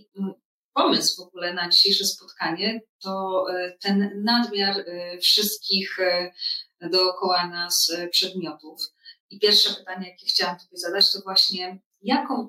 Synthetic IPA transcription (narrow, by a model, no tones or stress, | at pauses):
pɔmɘsvɔɡulɛnad͡ʑiɕejʂɛspɔt̪kaɲɛt̪ɔt̪ɛnːad̪mʲjaɾfʂɘst̪̚kʲix | d̪ɔːkɔwanaspʂɛd̪mʲjɔt̪ufipʲjɛɾfʂɛpɘt̪aɲɛjakʲɛxt͡ɕawamt̪ɔbʲjɛzad̪at͡ɕt̪ɔvwaɕɲɛ | jakɔ̃w̃